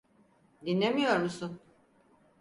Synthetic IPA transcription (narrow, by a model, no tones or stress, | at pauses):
d̪inlːʲe̞mijo̞ɾmusun